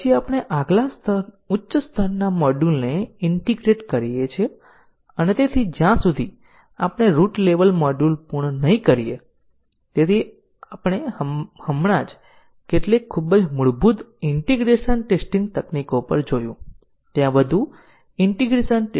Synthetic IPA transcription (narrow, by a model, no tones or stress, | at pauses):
iapɽ̃eʔaɡlast̪ʰə | utːʃəst̪ʰəɾnamɔɖulneɪɳʈiɡɾeʈkəɾijet͡ʃʰe | ənet̪et̪ʰid͡ʒjãsud̪ʱi | a̰pɽ̃eɾuʈleʋəlmɔɖulpuɳənəĩkəɾije | t̪et̪ʰi | apəɽ̃ehəmɽad͡ʒ | keʈlekʰːubəd͡ʒmuɭbud̪ɪɳʈiɡɾeʃənʈesʈĩŋɡt̪əknikopəɾd͡ʒojũ | t̪jãbəd̪ʱũ | ɪɳʈiɡɾesənʈ